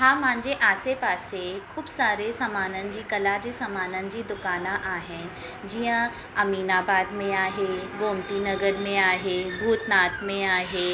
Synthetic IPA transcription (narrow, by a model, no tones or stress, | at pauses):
ɦãːmãːɲd͡ʒeʔaːsepaːsekʰʊːbsaːɾesɐmaːnə̃nd͡ʑikɐlad͡ʒesɐmaːnə̃nd͡ʑid̪ʊkaːnãʔaːɦɛ̃ | d͡ʒijã | ɐmiːnaːbaːd̪mẽaːɦeɡoːmt̪inɐɡəɾmẽaːɦebʱuːt̪naːt̪mẽaːɦeː